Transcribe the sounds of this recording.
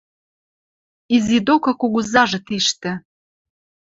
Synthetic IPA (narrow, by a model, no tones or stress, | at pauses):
izid̪okɤ̆kuɣuzɑʒɤ̆t̪iʃt̪ɘ̆